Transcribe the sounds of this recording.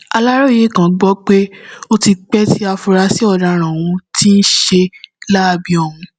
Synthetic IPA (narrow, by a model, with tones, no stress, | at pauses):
a˧la˦ɾo˦˨je˦˨kã˨ɡ͡bɔ˦k͡pe˦o˦ti˧k͡pɛ˦ti˦a˧fu˧ɾa˧si˦ɔ˦˨da˧˨ɾ̃ã˨w̃ũ˧ti˦n̩˦ʃe˧la˦˨bi˧ɔ˨wũ˧